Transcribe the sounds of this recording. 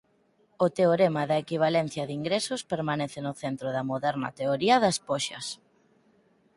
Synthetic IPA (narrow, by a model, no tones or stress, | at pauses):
ot̪eoɾemɐðɐekiβ̞alɛn̟θjɐðiŋɡɾesʊspeɾmanɛθɪnʊθent̪ɾoðɐmoðɛɾnɐ̰t̪eoɾiɐðɐspoʃɐ̰s